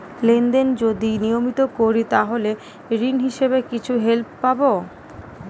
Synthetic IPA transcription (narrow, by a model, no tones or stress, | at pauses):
lend̪end͡ʑod̪inijomit̪okoɾit̪aɦole | ɾinɦiʃeβekit͡ɕʰuɦelp̚ːabo